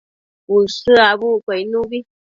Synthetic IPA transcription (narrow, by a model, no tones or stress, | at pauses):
wusɨabukɛjnuɡi